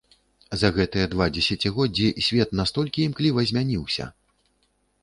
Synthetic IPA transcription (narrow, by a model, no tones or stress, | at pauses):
zɐɣɛt̪ɨjɐd̪vad͡zʲɛsʲat͡sʲiɣɔd͡zʲisʲvʲɛt̪nast̪ɔlʲkʲiːmklʲivɐzʲmʲanʲiwsʲɐ̰